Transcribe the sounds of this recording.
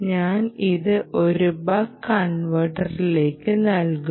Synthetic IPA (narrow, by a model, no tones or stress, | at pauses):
ɲaːniðɨʔoɾubaːkːɐɳʋɐʈɐrile̞ːkːɨnɐlku